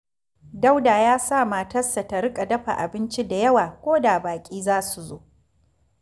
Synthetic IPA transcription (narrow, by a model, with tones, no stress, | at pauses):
da˦wdaː˨jaː˦sa˦˨maː˨tɐ˦sːa˨ta˨ɾɪ˦kʼa˨dɐ˦ɸa̰˨ʔa̰˨bɪ˦nt͡ʃi˦da˨jɐ˦waː˨kʷoː˦daː˨baː˨kʲʼiː˦zaː˦su˨zoː˦ʔ